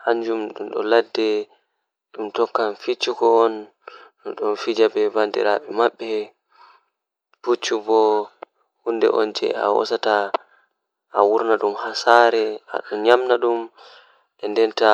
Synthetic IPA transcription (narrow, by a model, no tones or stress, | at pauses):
haɲd͡ʒumɗumɗɔ̰ladːɛ | ɗumtɔkːamfit͡ʃːukɔːn | ɗɔnfid͡ʒabɛbandḭɾaɓɛmaɓːɛ | put͡ʃːubɔ | hundɛ̰ʔɔ̰nd͡ʒɛ̰a̰wɔ̰sata | ʔawuɾnaɗumhasaɾɛa̰ɗɔnɲamnaɗum | ʔɛndɛnta